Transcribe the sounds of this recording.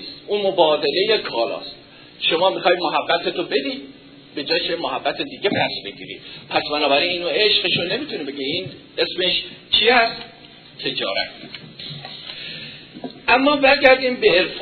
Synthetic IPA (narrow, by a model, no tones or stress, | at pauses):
st̪ʔuːmo̞bɒːd̪e̞le̞je̞kʰɒːlɒ̰ːst̪ | ʃo̞mɒːmixɒːjid̪moɦæbːæt̪ʰet̪ʰobe̞d̪iːd̪̥̚ | be̞d͡ʒɒːkʰemoɦæbːæt̪ʰed̪iːɟe̞bæsbe̞ɟḭːɾḭːpʰæsbænɒːbæɾiːniːnoeʃɢeʃone̞miːt̪ʰunebe̞ɡeiːn | e̞sme̞ʃt͡ʃʰiːæst̪ | t̪ʰe̞d͡ʒɒ̰ːɾæ̰t̪ | ʔæmːɒːbæɾɟæɾd̪iːmbe̞ːɾf